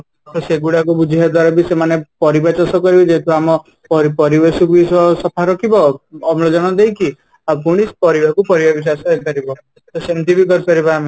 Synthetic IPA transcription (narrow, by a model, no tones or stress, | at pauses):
kɔseɡuɽakubud͡ʒʱiɦad̪waɾɔbisemanepɔɾibat͡ʃɔsɔkɔɾibid͡ʒeɦt̪ʰɔamɔ | pɔɾipɔɾibesukbisɔsɔpʰaɾɔkibɔɔmlɔd͡ʒɔɽ̃ɔd̪ejki | apuɽ̃ispɔɾibakupɔɾibabis̬asɔekɔɾibɔ | t̪ɔsent̪ibikɔɾkɔɾibaama